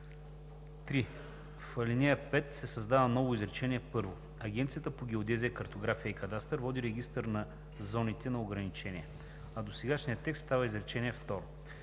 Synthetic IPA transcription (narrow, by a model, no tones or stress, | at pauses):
t̪ɾi | fɐlʲinɛjəpɛt̪sɛsɐzd̪avəmnɔvʊizɾɛt͡ʃɛniɛpɤɾvo | ɐɡ̟ʲɛnt̪sijət̪əpoɡʲɛod̪ɛziəkɐɾt̪oɡɾafijəikɐd̪ast̪əɾvɔd̪iɾɛɡʲist̪əɾnɐ | zɔnit̪ɛnɐoɡɾɐnit͡ʃɛnʲiɛ | ɐd̪osɛɡaʃnijət̪ːɛkst̪t̪avəizɾɛt͡ʃɛniɛft̪ɔɾo